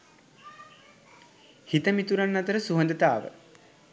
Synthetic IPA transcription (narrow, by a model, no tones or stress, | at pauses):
hit̪əmit̪uɾanːɐt̪əɾəsuɦənd̪ət̪aːʋə̰